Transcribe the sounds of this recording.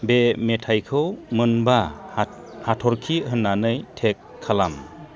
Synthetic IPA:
bemetʰajkʰɯwmɯnba | hatʰɔɾkʰiɦɯnːanɯjtʰekʰːalam

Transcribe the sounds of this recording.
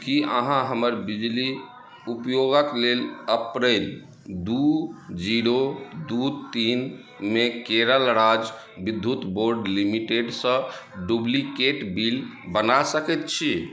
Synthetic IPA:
kiə̰ɦãɦəməɾbid͡ʒli | upjoɡəkleləpɾel | d̪ud͡ʒiɾod̪ut̪in | mekeɾəlɾad͡ʒ | bid̪ʱːut̪boɾɖlimiʈeɖsə̃ɖublikeʈbilbənasəkɛt̪̚t͡ʃʰi

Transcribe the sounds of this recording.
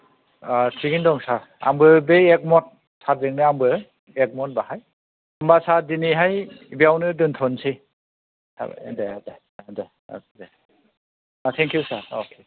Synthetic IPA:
atʰiɡindɔŋsaɾ | a̰mbɯbeɛk̚mɔt̚ | sat̚dɯŋnɯambɯ | ɛk̚mɔt̚bahaj | ambasaɾdiniɦajbiawnɯdɯntʰɔnsʰi | sa̰b̰dede | de | a̰kde | atʰɛŋkʰjusaɾo̰kʰe

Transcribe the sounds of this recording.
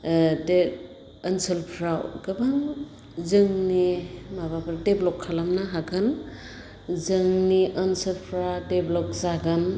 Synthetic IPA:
de | ənsɯlpʰɾawɡɯbaŋ | zɯŋnimabapʰɾdeblɔkʰːalamnaɦakʰɯn | zɯŋniʔənsɯlpʰɾadeblɔkzaɡɯn

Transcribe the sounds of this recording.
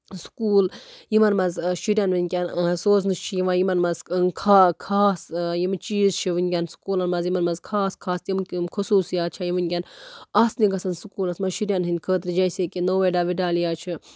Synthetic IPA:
su̥kuːljimɐnmɐzʃiɾʲjɐnʋɨnʲkʲɐnsoːznɨst͡ʃʰijiʋajimɐnmɐzkʰakʰaːsjimt͡ʃiːzt͡ʃʰiʋɨnʲkʲɐnsu̥kuːlɐnmɐzjimɐnmɐzkʰaːskʰaːsjimkʲimkʰusuːsjaːtt͡ʃʰajiʋɨnʲkʲanɐsniɡɐsɐnsukuːlɐsmɐʃiɾʲjɐnɦɨnʲd̪ʲkʰəːt̪ɾid͡ʒɐjseːkʲinoːʋeɖaʋiɖaːljaːt͡ʃʰi

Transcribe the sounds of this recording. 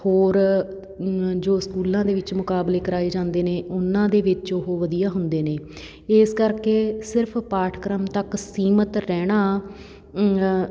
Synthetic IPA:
hoːɾ | d͡ʒoːskuːlãːd̪eːʋɪt͡ʃmʊkaːbleːkəɾaːeːd͡ʒãːnd̪eːneːʔʊnːãːd̪eːʋɪt͡ʃoɦoʋəd̪ijaːɦʊnd̪eːneː | ɪskəɾkeːsɪɾpʰpaːʈʰkɾəmt̪əksiːmət̪ɾɛːɽ̃aː

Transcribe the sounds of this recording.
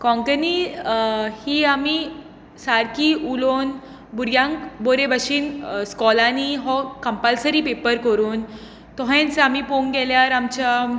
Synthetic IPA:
kɔ̃ŋkəni | hiːami | saɾkiulon | buɾjãŋkboɾebəɕiːnskɔlaniɦɔkəmpalsəɾipepəɾkəɾuːn | t̪ɔɦẽnt͡samipoŋɡɛljaɾamt͡ɕa

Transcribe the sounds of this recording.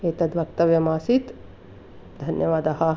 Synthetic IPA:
eːt̪ɐd̪ʋɐkt̪ɐʋjɐmaːsit̪ | d̪ʱɐnjɐʋaːd̪aɦɐ

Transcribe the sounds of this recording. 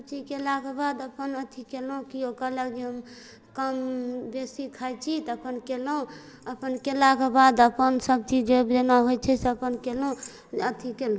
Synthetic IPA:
səb̚t͡ʃid͡ʒkelakebad̪əpənət̪ʰikelũkiokəɾləɡd͡ʒeɦəm | kəmbesikʰajt͡ʃʰit̪əpənkelũ | əpənkelakebad̪əpənsəb̚t͡ʃid͡ʒebd͡ʒenaɦojt͡ʃʰɛseəpənkelũ | ət̪ʰikel

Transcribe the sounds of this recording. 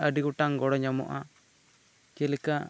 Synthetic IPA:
aɖiɡɔʈaŋɡɔɽɔɲamɔ̰ʔa | kɛlɛka

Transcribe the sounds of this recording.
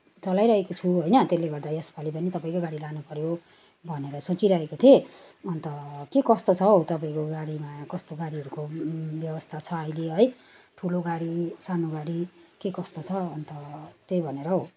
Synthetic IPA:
t͡sʌlajɾʌɦekot͡sʰuɦojnʌt̪eleɡʌrd̪ajespʰalipʌnit̪ʌpaĩkoɡaɽilanupʌɾjo | bʱʌneɾʌsot͡siɾʌɦekot̪ʰieʌnt̪ʌkekʌst̪ot͡sʰʌɦot̪ʌpaĩkoɡaɽimakʌst̪oɡaɽiɦʌɾukobjʌbʌst̪ʰat͡sʰʌːileɦʌjʈʰuloɡaɽisanoɡaɽikekʌst̪ot͡sʰʌːnt̪ʌt̪ejbʱʌneɾʌɦo

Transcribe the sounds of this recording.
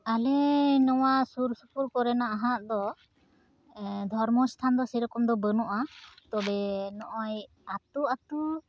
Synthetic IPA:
alɛnɔwaʔsuɾsupuɾkɔɾɛnaʔaɦaʔd̪ɔ | d̪ʱɔɾmɔst̪ʰand̪ɔsɛɾɔkɔmd̪ɔbənɔʔat̪ɔbɛnɔʔɔj | at̪uat̪u

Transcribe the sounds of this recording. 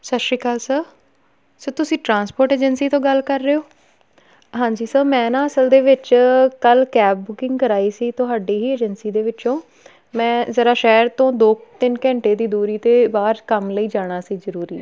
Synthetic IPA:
səʃɾiːkaːlsə | səːt̪ʊsĩːʈɾãːnspoːɾʈeːd͡ʒənsiːt̪õːɡəlkəɾːeːoː | ɦãːɲd͡ʒiːsəːmɛ̃ːnãːəsəld̪eːʋɪt͡ʃkəlkɛːbʊkɪ̃ŋɡkəɾaːiːsiːt̪ʊɦaːɖeːɦiːeːd͡ʒənsiːd̪eːʋɪt͡ʃõː | mɛ̃ːzəɾaːʃɛːɾt̪õːd̪oːt̪ɪnkɛ̃ːɳʈeːd̪iːd̪uːɾiːt̪eːbaːɾkəmləiːd͡ʒaːɽ̃aːsiːzəɾuːɾiː

